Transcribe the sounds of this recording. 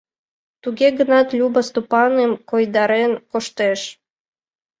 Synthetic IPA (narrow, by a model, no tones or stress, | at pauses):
t̪uɣeɡənɑt̪lʲubəst̪upɑnemkojd̪ɑɾenkoʃt̪eʃ